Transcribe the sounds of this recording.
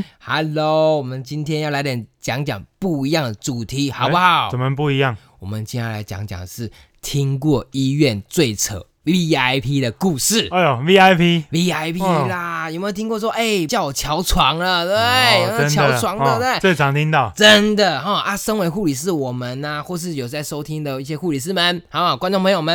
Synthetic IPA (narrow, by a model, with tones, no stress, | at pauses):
ha˨˥lo˨˦wɔ˨˩mə˨˦nt͡ɕi˦nt̪ʰjɛ˥njʊla˧˥ɪt̪jɛ˨˩˦nt͡ɕjɑ˧˥˦ŋt͡ɕjɑ̰˨˩ŋpu˥˩i˧˥jɑ˥˩ŋd̪ə˩t͡su˨˩t̪ʰi˨˥˦xɑ˨˦pu˥xɑ˨˩˦ʊt͡sə˨˩mə˦pu˥˩i˧˥jɑ˥˨ŋ | wɔ˨˩mə˦nt͡ɕi˥˧nja˥˩la˨˦ɪt͡ɕja̰˧˥ŋt͡ɕjɑ̰˨˩ŋə˨˩ʂɻ̩˥˩ | t̪ʰi˦˥ŋkwɔ˥˨i˦ɥɛ˥˨nt͡swe˥˨˩ɪt͡sʰə̰˨˩˦ʊ | vi˧a˥ɪpʰi˦d̪ə˨ku˥˧ʂɻ̩˥˩˧vi˦a˥ɪpʰi˦vi˧˥a˥ɪpʰla˨jme˥jt̪ʰi˥ŋkwɔ˥˩ʂ̬wɔ˥ʔe˥˩ɪt͡ɕjɑ˥˩ʊwɔ˨˩t͡ɕʰjɑ˧˥ʊt͡sʰwɑ˧˥˦ŋlə˨t̪e˥˨˩ɪ˥ə˦t͡ɕʰjɑdt͡sʰwɑ˧˥ŋd̪ə˧t̪e˥˩we˥˩ɪt͡sʰɑ˨˥ŋt̪ʰi˦˥ŋt̪ɑ˥˨ʊʈ͡ʂə˦nd̪ə˨xɔ˥˩a˥˩ʂə˥ŋwe˧˥ɪxu˥˩li˨˩ʂ̬ɻ̩˥˩wɔ˨˩mə˦na˧xwɔ˥˧ʂ̬ɻ̩˥˩jo˨˩ʊt͡sa˥˩ɪʂo˥ʊt̪ʰi˦ŋd̪ə˨i˥˩ɕjɛ˥xu˥˩li˨˩ʂ̬̩˥˩mə˨˦nxɑ˨˧˦ʊxɑ˨˩ʊkwa˥nʈ͡ʂo˥˩ŋpʰŋjo˨˩mə˧˦n